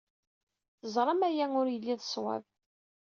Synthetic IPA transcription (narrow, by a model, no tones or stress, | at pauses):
θəzˤɾˤɑmæjæŋʊɾjəlːiðəsˤwæ̰v